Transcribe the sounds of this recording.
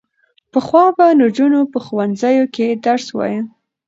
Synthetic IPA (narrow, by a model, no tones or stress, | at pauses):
pəxwɑbaləd͡ʒunopəxuwanzəjoked̪aɾswɑ̰jə